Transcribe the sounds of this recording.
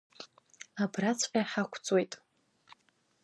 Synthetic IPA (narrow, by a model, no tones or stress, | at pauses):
abrat͡sʰʼqʲʼaħakʷʰt͡sʼwe̞jtʼ